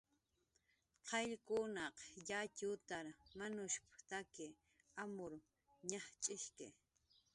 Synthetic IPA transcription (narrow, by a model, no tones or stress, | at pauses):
qʰɑʎkʊnɑqjat͡ʃʊt̪aɾmanʊʃpʊ̥t̪akɪ | amʊɾ | ɲɑχt͡ʃʼɪʃkɪ